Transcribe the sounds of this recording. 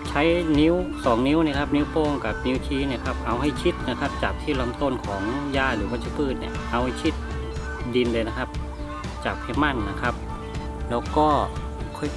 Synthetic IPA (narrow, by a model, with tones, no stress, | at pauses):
t͡ɕʰa˦˥jni˧˦˥wsɔː˩˦ŋni˧˦˥wni˧˥˩kʰa˦˧˥p̚ni˦˥wpoː˧ŋka˨˩p̚ni˦˥wt̪ʰiː˧˥ni˧˩kʰa˧˥p̚ʔa˧wɦa˥˩jt͡ɕʰi˦˥t̪̚na˧kʰa˦˧˥p̚t͡ɕaː˨˩k̚t̪ʰiː˥˩lo˧˩˨mt̪o˧˥˨nkʰɔː˩˦ŋjaː˧˩lɯː˦bɔː˧˩t͡ɕʰi˦˥pʰɯː˥˩t̪̚ni˧˩ɐʔa˧wha˥˩jt͡ɕʰi˦˥t̪̚ | di˧nlɯ˧jna˧˥kʰa˦˧˥p̚ | t͡ɕaː˨˩k̚kʰɛ˧˥ma˧˥˩nːa˧kʰa˦˥p̚ | lɛː˦˥wkɔː˥˩ | kʰɔ˧˩j